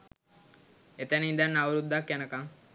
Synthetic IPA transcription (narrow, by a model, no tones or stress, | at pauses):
et̪ænind̪ænːaʋuɾud̪ːakjænəkaŋ